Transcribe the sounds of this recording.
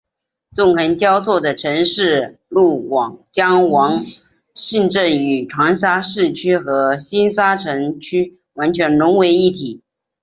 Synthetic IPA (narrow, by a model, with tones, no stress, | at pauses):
t͡sʊ˥˩ŋxə˧˥nt͡ɕjɑ˥ʊt͡sʰwɔ˥˩d̪ə˩ʈ͡ʂʰɤ˧˥ŋʂɻ̩˥˧lu˥˩wɑ˨˩ŋt͡ɕjɑ˥ŋwɑ˧˥ŋ | ɕi˥˧nʈ͡ʂə˥˩ny˨˩ʈ͡ʂʰwɑ˧˥ŋs̬a˥ʂɻ̩˥˩t͡ɕʰy˥xɤ˧˥ɕi˥nsa˥ʈ͡ʂʰə˧˥ŋt͡ɕʰy˥ | wa˧˥nt͡ɕʰɥɛ˧˥nlʊ˧˥ŋwe˧˥ɪi˥˩t̪ʰi˨˩˦